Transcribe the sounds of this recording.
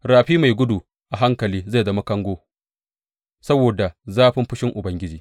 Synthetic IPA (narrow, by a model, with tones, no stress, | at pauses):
ɾaː˨ɸiː˦ma˨jɡʷʊ˦du˨ | ʔa˨ɦa˦ŋkɐ˨liː˦za˦˨dɐ˦ma˦kɐ˦ŋɡʷoː˦ | sɐ˦boː˨da˨zaː˦ɸɪ˦mɸɪ˦ʃɪ˦ŋʔʊ˨bɐ˦ŋɡʲɪ˦d͡ʒiː˨